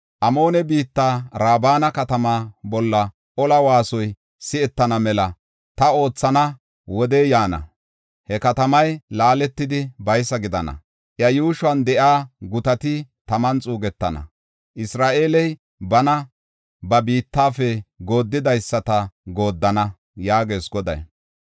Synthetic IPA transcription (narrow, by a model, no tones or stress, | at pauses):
ʔɐmo̞ːnɛbiːt̪ːaːɾaːbaːnɐkɐt̪ɐmaːbɔlːɐ | ʔɔlɐwaːsɔj | sɪɛt̪ːɐnɐmɛlɐ | t̪ɐo̞ːt͡sːɐnɐ | wɔd̪eːjaːnɐ̰ | hɛkɐt̪ɐmɐjlaːlɛt̪ːɪd̪ɪbɐjsːɐɡɪd̪ɐnɐ̰ | ʔjɐjuːʃʊɐnd̪ɛʔaːɡʊt̪ɐt̪ɪt̪ɐmɐnt͡sʼuːɡɛt̪ːɐ̰nɐ̰ | ʔɪsɾaːʔeːlɛj | bɐnɐ | bɐbiːt̪ːaːfɛɡo̞ːd̪ːɪd̪ɐjsːɐt̪ɐɡoːd̪ːɐnɐ | jaːɡe̞ːsɡɔd̪ɐ̰j